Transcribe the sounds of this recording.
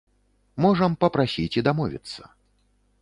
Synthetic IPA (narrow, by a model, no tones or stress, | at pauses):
mɔʐɐmpɐpɾasʲit͡sʲid̪amɔvʲḭt̪sːɐ̥